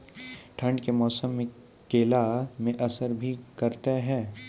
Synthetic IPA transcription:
ʈʰə̃ɳɖkemɔːsəmːẽ | keːlamẽʔɐsəɾbʱikɐɾt̪eɦɛ̃ː

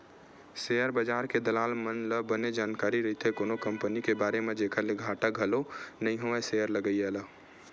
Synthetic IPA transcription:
sejəɾbəd͡ʒaːɾked̪əlaːlmənləbəned͡ʒaːnkaːɾiɾəɦit̪ekonokəmpənikebaːɾemed̪ekʰəleɡʱaʈəɡʱəlonəĩɦoesejəɾləɡəjɛlə

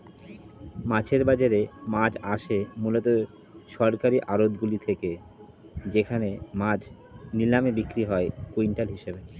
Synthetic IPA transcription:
mat͡ɕʰeɾbad͡ʑaɾemad͡ʑaʃemulot̪o | ʃɔɾkaɾiʔaɾod̪ɡulit̪ʰeke | d͡ʑekʰanemad͡ʑ | nilamebikɾiɦɔekuinʈalɦiʃebe

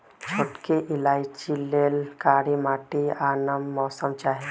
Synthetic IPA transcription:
d͡ʒʰʱoʈkeʔɪlaːjt͡ʃileːlkaːɾimaːʈianəmːɔːsəmt͡ʃaːɦe

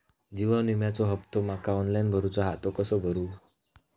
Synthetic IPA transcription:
d͡ʑiʋənimjat͡sɔɦəpt̪ɔmakʰaɔnlajnbʱəɾut͡sɔɦat̪okəsɔbʱəɾu

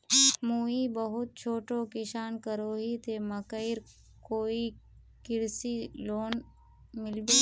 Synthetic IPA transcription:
muːibəɦʊt̪̚t͡ʃʰoːʈõːkɪʃaːnkəɾoːɦit̪eməkəɪɾ | koːi | kɪɽsiloːn | mɪlbiː

